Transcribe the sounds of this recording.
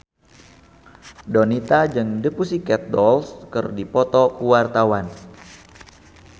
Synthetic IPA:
donit̪ad͡ʒɨŋdəpusikɛt̪̚dɔlskɨrdipɔt̪ɔkuwart̪awan

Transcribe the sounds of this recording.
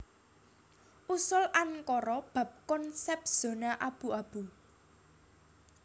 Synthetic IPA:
ʔusʊlʔankɔɾɔb̥a̤p̚kɔnsɛp̚z̥o̤naʔab̥ṳab̥u

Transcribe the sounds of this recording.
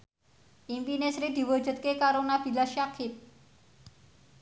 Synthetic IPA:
impinesɾid̪iʋəd͡ʒət̪̚kekaɾonabilaɕakʰit̪̚

